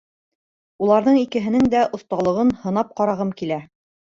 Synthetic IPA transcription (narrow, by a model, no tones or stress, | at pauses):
ulˠɑɾðɤɴikɘ̆ɦɘ̆nɘŋd̪æʔŏθt̪ɑlˠɤ̆ʁɤnhɤ̆nɑp̚qɑɾɑʁɤmkilæ